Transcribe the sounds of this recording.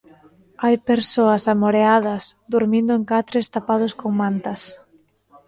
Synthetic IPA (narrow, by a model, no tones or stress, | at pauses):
ajpeɾsoɐsamoɾeaðɐsd̪uɾmĩnd̪ʊeŋkat̪ɾest̪apað̞ʊskoŋmãnt̪ɐs